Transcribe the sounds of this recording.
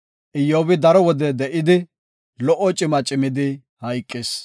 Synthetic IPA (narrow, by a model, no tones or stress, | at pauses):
ʔɪjːoːbɪd̪ɐɾɔwɔd̪ɛd̪ɛʔɪd̪ɪ | lɔʔɔt͡ʃʼɪmɐt͡ʃʼɪmɪd̪ɪ | hɐjkʼːɪs